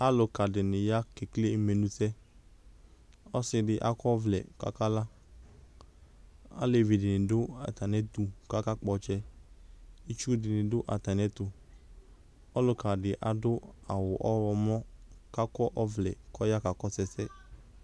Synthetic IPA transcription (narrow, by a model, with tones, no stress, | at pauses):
a˦lʊ˨ka˨dɪ˨nɪ˨ja˦ke˨kle˦me˨nũ˧˦sɛ˦ | ɔ˦sɪ˧dɪ˨ʔa˨kɔ˦vlɛ̰˨ka̰˦ka˦la˦ | a̰˦le˨vi˨dɪ˨nɪ̃˨dʊ˦a̰˨t̪a˨nɛ˦t̪u˨ka˦ka˦k͡pɔ˧t͡ʃɛ˦ | i˦t͡ʃu˦dɪ˨nɪ̃˨dʊ˦ʔa̰˨t̪a˨nɛ˦t̪ʊ˧ | ɔ˦lʊ˧ka˨dɪ˨ʔa˨dʊ˦a˨wʊ˨ʔɔ˦wɔ˧mɔ˦ka˦kɔ˦ʔɔ˦vlɛ̰˨kɔ˦ja˦ka˨kɔ˦sɛ˧sɛ˦